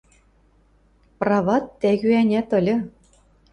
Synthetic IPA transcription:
prɑβɑt̪ːækʲyænʲæt̪ɤ̆lʲɤ̆

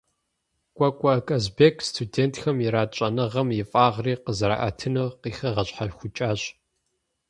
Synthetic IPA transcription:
kʷʼɐkʷʼɐɐkʼɐzbeːkʰstʰudeːntxɐmjiɾaːt͡ʃʼɐnɐʁɐmjɪfʼaːʁriːqəzɾa̰ːʔɐ̰tʰɨnoːqiːxɐʁɐɕʼħaxʷʊt͡ʃʼaːɕʼ

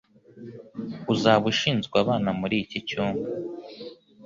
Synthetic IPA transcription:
uzaβuʃiːnzɡwaβaːnamuɾicicuːmu

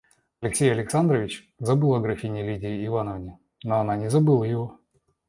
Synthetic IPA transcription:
ɐlʲɪksʲejɐlʲɪksand̪ɾəvʲɪt͡ɕ | zɐbɨlˠɐɡɾɐfʲinʲɪlʲidʲɪːvanəvnʲɪ | noɐnanʲɪzɐbɨlˠəjɪvo

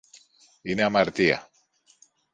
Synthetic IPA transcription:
inamaɾt̪ia̰

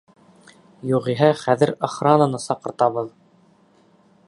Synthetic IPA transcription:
juʁiɦæχæðɘɾɑχɾɑnɤnɤsɑqɤ̆ɾt̪ɑβɤð

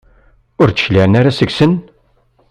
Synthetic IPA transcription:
ʊɾt͡sə̥çlæɾnaɾasəɡsən

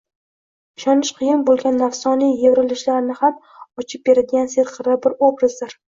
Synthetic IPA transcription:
ɪʃɒnɪʃqʰɨjɪmbolˠɡʲanːafsɒnijjevɾɪlɪʃlaɾɪnɪham | ɒt͡ʃʰɪp̚be̞ɾad̪ɪɡʲanseɾqʰɨɾabɪɾobɾazd̪ɪɾ

